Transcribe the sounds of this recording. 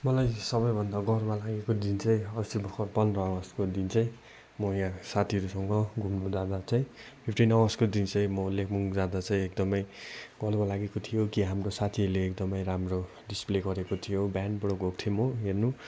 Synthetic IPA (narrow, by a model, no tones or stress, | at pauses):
mʌlajsʌbʌjbʱʌnd̪aɡʌɾmalaɡekod̪int͡sʌj̃ʌsibʌkʰʌrpʌnrʌwʌskod̪int͡sʌj̃ | mʌjaãsat̪ʰiʌɾusʌŋɡʌɡʱumnud͡zad̪at͡saĩ | pʰipʈinʌwʌskod̪int͡sʌj̃mʌlekʰmuŋd͡zad̪at͡sʌj̃ek̚d̪ʌmʌjɡ̥ʌɾmalaɡekot̪ʰijokiɦamrosat̪ʰiʌɾuleːkd̪ʌmʌjɾamro | ɖispleɡʌɾekot̪ʰijobjanɖbʌɽoɡʱok̚t̪ʰijomʌɦernu